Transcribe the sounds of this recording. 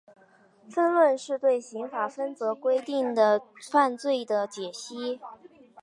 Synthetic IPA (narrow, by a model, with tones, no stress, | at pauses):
fə˥nwə˥˧nʂɻ̩˥˧t̪we˥˩ɪɕi˧˥ŋfa˨˩fə˥nt͡sɤ˧˥kwe˥ɪt̪i˥˩ŋd̪ə˩fa˥˧nt͡swe˥˩ɪd̪ə˩t͡ɕjɛ˨˩ɕi˥